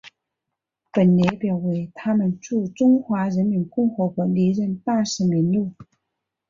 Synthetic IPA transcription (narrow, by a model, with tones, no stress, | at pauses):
pə˨˩nljɛ˧˥pjɑ˨˩ʊwe˧˥ɪt̪ʰa˥mə˨nʈ͡ʂu˥˩ʈ͡ʂʊ˥ŋxwa˧˥ɻə˧˥nmi˧˥nkʊ˥˩ŋxɤ˧˥kwɔ˧˥li˧˥ɻə˥˧nt̪a˥˩ʂɻ̩˧˥mi˧˥nlu˥˩